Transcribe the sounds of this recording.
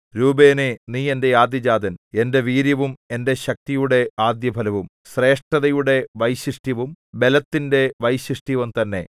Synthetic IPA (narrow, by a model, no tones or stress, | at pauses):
ɾuːbe̞ːneniːe̞nde̞jaːd̪jɐd͡ʑaːd̪ɐne̞nde̞ʋiːɾjɐʋume̞nde̞ɕɐk̚t̪ijuɽe̞aːd̪jɐbʱɐlɐʋum | ɕre̞ːʂʈɐðɐjuɽe̞ʋɐjɕiʂʈjiʋumbe̞lɐt̪ːinde̞ʋɐjɕiʂʈjiʋɐmt̪ɐnːe̞̰